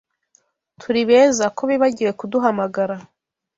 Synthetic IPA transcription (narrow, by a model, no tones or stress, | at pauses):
tʰuɾiβe̞ːzakoβiβaɟiɾe̞kuduɦamaɡaɾa